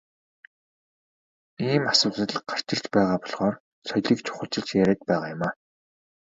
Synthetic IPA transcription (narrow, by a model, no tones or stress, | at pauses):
iːmasʊːt̪ə̆ɮɢar̥t͡ɕɪ̆rt͡ɕpæːʁaːpɔɮʁɔːr | sɔjɮiːkt͡ɕʰʊ̥χə̆ɬt͡ɕɪ̆ɮt͡ɕjæɾʲæːt̪̚pæːʁaːjʊmaː